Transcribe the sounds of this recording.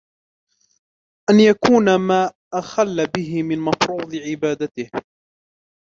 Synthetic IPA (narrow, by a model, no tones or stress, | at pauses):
ʔanjakuːnamaː | ʔaxalːabɪɦɪmɪnmɑfɾuːd̪ˤɨʕɪbaːd̪at̪ɪh